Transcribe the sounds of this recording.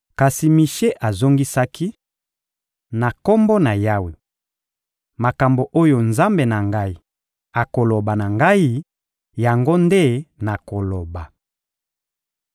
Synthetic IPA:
ka˨si˨mi˨ʃe˦ʔa˨zo˦ŋɡi˦sa˦ki˦ | na˨ko˦mbo˦na˨ja˦wi˨ | ma˨ka˨mbo˨ʔo˦jo˨nza˦mbe˨na˨ŋɡa˦i˦ | a˨ko˨lo˨ba˨na˨ŋɡa˦i˦ | ja˨ŋɡo˦nde˦na˨ko˨lo˨ba˨

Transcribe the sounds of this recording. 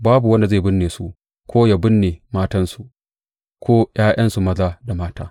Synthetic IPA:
baː˦bu˨wɐ˦nda˨zeː˦˨bʊ˦nːeː˨su˦ʔ | kʷoː˦ja˨bɪ˦nːeː˨maː˦tɐ˦nsu˨ | kʰʷoː˦j̰aː˦j̰ɐ˦nsu˨mɐ˦zaː˦da˨maː˦taː˦

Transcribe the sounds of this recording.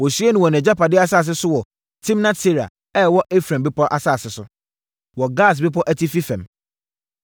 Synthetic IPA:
wɔ˨su˦ɛ˦nʊ̃˨wɔ˨ñ˨ɛ̃˨d͡ʑa˦pa˨dɪ˦a˦saː˦˨s̬ɪ˦sʊ˦wɔ˨ | tʰĩ˦mnã˦tʰe˦ɾa̰˨ | ɛ˦wɔ˦ʔe˦fɾã˨mbɪ˦pɔ˦ʔa˨sa˦˨sɪ˨sʊ˦ | wɔ˨ɡa˦˨s̬bɪ˦pʰɔ˦ʔæ˦tʰi˦fi˦fɛ̃˨m

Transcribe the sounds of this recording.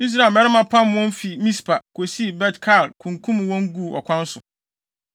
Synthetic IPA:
i˦s̬ɾa˨mɛ˦ɾɪ˦mã˨pʰã˦m˨wɔ̃˦m˦fi˨mĩ˦spʰa˨kʰo˨si˦˨bɛ˦tkʰa˦˨dkʰũ˨ŋkʰũ˦m˨wɔ̃˦ŋ˦ɡu˦˨ɔ̰˨kʰʷã˦n˦sʊ˨

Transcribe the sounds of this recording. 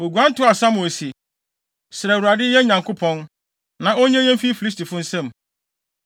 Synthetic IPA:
o˨ɡu˨ã˦n˦tʊ˦a˨sa˦m˨si˨ | sɪ˨ɾɛ˨wu˨ɾa˨dɪ˦jɛ˦ɲã˨ŋkʰʊ˦pʰɔ̃˦n | nã˨ɔ˦ɲɛ̃˦ɲɛ̃˦m˦fi˦fi˨li˦s̬ti˨fʊ̃˦n̩˦sɛ̃˦˨m

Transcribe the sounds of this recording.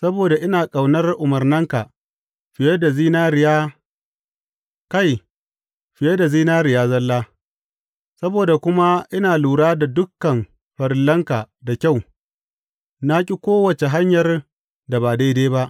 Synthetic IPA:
sɐ˦boː˨da˨ʔɪ˦naː˨kʼa˨wnɐ˦rʔʊ˨mɐ˨rnɐ˦ŋka˨ | ɸɪ˨je˦da˨ziː˦naː˦ɾɪ˨jaː˦ | ka˦˨j | ɸɪ˨je˦da˨ziː˦naː˦ɾɪ˨jaː˦zɐ˦lːaː˦ | sɐ˦boː˨da˨kʷʊ˦ma˦ʔɪ˦naː˨luː˨ɽaː˦da˨dʊ˦kːɐ˨m | ɸɐ˨ɾɪ˦lːɐ˦ŋka˨ | da˨kʲa˦˨w | na˦kʲʼi˦kʷoː˦wɐ˨t͡ʃe˨ɦa˦ɲjɐ˨r | da˨baː˨da˦jdeː˦ba˦ʔ

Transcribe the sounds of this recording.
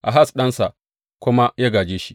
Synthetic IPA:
ʔa˨ɦa˦˨sɗɐ˦nsa˨ | kʷʊ˦ma˦jaː˦ɡaː˨d͡ʒeː˦ʃi̥˦

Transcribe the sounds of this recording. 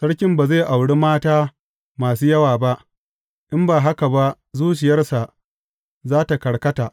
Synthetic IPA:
sɐ˦ɽkʲɪ˦mbaː˨za˦˨ʔa˨wɽeː˦maː˦taː˦ | maː˨s̬uː˦jɐ˦waː˨ba˦ʔ | ʔɪ˦mbaː˨ɦa˦ka˨ba˦ʔ | zuː˦t͡ʃɪ˨jɐ˦rsa˨ʔ | zaː˦ta˨kɐ˨ɽkɐ˦taː˨ʔ

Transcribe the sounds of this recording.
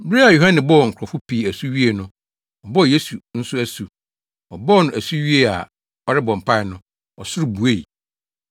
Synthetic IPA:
bɪ˦ɾi˦a˨jo˨ɦã˦nɪ̃˨bɔ˦ɔ˨ŋ̩˨kʰʷʊ˨ɾɔ˨fʊ˦pʰiː˨æ˨su˦ɥi˦e˨nʊ̃˦ | ɔ˨bɔ˦˨je˦su˨n̩˦sʊ˦æ˦su˨ | ɔ˨bɔ˦ɔ˨nʊ̃˨æ˨su˦ɥi˦e˨a̰˨ | ɔ˨ɾɪ˦bɔ̃˨m̩˨pʰa˦ɪ˨nʊ̃˦ | ɔ˨sʊ˦ɾʊ˨bu˨e˦i˨

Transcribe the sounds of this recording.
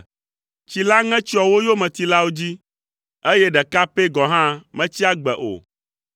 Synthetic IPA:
t͡ɕi˨la˦ŋɛ̃˦t͡ʃi˦ɔ˨wo˦jo˦mɛ̃˨t̪i˨la˦wo˦d͡ʑi˦ | e˦je˦ɖɛ˨ka˦pe˦ɡɔ̃˨ɦã˦mɛ̃˦t͡ɕi˦a˦ɡ͡bɛ̰˨ʔo̰˨

